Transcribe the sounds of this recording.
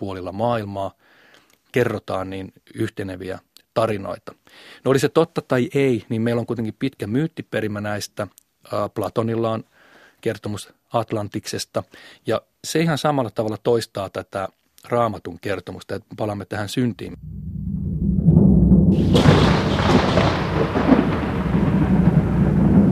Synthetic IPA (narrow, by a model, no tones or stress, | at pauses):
puolilːɑmɑːilmɑː | kerːot̪ɑːnniːn | yht̪eneʋiæ̰t̪ɑrino̰it̪ɑ̥ | noliset̪ot̪ːɑt̪ɑiʔeiniːmmeilːoŋkuit̪eŋkippit̪kæmyːt̪ːiperimːænæist̪æː | plɑt̪onilːɑːn | kert̪omus | ɑt̪lɑnt̪iksest̪ɑjɑ | seihɑnsɑmɑlːɑt̪ɑʋɑlːɑt̪oist̪ɑːt̪æt̪æ | rɑːmɑt̪uŋkert̪omust̪ɑjet̪epɑlɑmːet̪æhænsynt̪ḭːm